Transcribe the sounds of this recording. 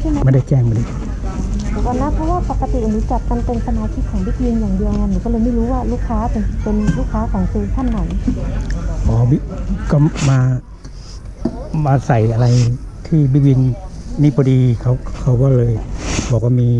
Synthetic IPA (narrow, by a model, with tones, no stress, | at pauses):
k̪ʰi˧˨ma˧˨ma˧˨nda˧˩jt͡ɕɛː˧˩ŋbɔː˧˨di˧˨˧ | ka˧˩nːaː˧˥˨pʰɔː˧˥waː˥˨pa˨˩kːa˧t̪i˨ʔa˧nuː˨˦t͡ɕa˨˩k̪̚ma˧npe˧nsʰa˧maː˧t̪ʰi˦˥kʰːɔː˨˦ŋbi˧˥˩wi˧njaː˨˩ŋdi˧ə˧ŋa˧˨nːiː˧˩kɔ˥˩˨ɤː˧jmiː˧˥˩ɾuː˦˥waː˧˥˩luː˥˩kʰːaː˦˥pe˧npe˧nluː˥˩kʰːaː˦˥kʰɔː˨˦ŋsɯː˧t̪ʰa˧˥˩nːa˨˦j | bɔː˨˧˦bi˧kɔ˧˩maː˧ | maː˧sa˨˩jʔa˧la˧jt̪ʰiː˧˥˩bi˦˥t̪̚wi˧nniː˧˩bɔː˧diː˧kʰa˧˩kʰa˧˩wbɔː˧˩˨lɤː˧jbɔː˨˦kɔː˧˥˩miː˧